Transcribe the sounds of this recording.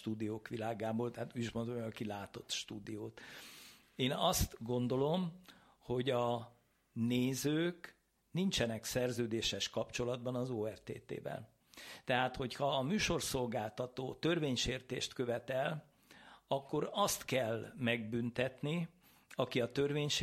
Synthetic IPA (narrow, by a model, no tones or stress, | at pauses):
t̪uːd̪ijoːkʋilaːɡaːboːlt̪ɛɦat̪uːɟiʃmond̪omɒkilaːt̪o̞t̪ʃt̪uːd̪ijoːt̪ | eːnɒst̪ɡo̞nd̪o̞lo̞m | ho̞ɟɒ | neːzøːk | nint͡ʃɛnɛksɛrzøːd̪eːʃɛʃkɒpt͡ʃo̞lɒd̪̚bɒnɒzoːɛrt̪ḛːt̪ḛːvɛ̰l | t̪ɛɦaːt̪ho̞chɒːmyːʃo̞rso̞lɡaːlt̪ɒt̪oːt̪ø̞rveːɲʃeːrt̪ḛːʃt̪kø̞vɛt̪ɛl | ɒkːo̞ɾɒst̪kɛlmɛɡ̚bynt̪ɛt̪ni | ɒkiɒt̪ø̞rveːɲʃ